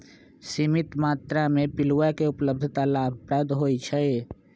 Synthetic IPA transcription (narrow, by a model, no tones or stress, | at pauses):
simɪt̪maːt̪ɾamẽpɪluwakeʊpləb̚d̪ʱt̪alaːbʱpɾɛːd̪ɦoːit͡ʃʰəe